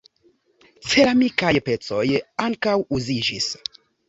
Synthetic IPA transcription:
t͡selamikajpet͡sojaŋkawuziʒis

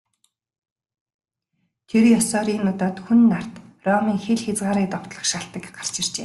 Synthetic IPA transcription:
t̪ʰerjɔsɔːɾiːnːʊt̪ɔːt̪xunːar̥t̪rɔmiːŋxeɮxet͡sʁaːɾiːk̚t̪ɔw̥t̪ɮə̆χʃaɬt̪ə̆kɢar̥t͡ɕɪ̆r̥t͡ɕeː

